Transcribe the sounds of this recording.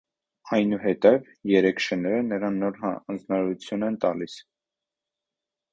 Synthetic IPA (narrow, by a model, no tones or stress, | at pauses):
ɑjnuɦɛt̪ɛv | jɛɾɛkʰʃənɛɾənəɾɑnːɔɾɦɑɑnd͡znɑɾut͡sʰjunɛnt̪ɑlis